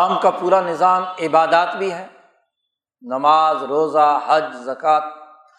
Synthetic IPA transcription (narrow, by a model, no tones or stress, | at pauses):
mkapuːɾanɪzaːmɪbaːd̪aːt̪bʱiɦɛː | nɐmaːzɾoːzahɐd͡ʒzɐkaːt̪̚